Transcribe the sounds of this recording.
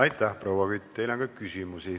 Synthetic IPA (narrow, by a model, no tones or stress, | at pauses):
ɑjt̪ːˑæhprowɑkyt̪̚ʲt̪ejlɑŋɡ̥ɑkysimusi